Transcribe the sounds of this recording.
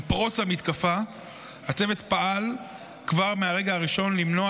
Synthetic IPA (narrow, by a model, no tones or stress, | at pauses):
pʁo̞t͡shamit̪kafa | hat͡se̞vet̪paʔal | kvaʁmeaʁe̞ɡaaʁiʃo̞nlimno̞a